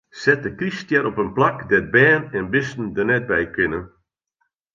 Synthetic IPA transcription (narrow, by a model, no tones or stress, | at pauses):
sɛt̚dəkristjɛɾɔpənplakdɛd̚bɛːnɛnbɪsn̩dənɛt̚bɛjkʰɪnə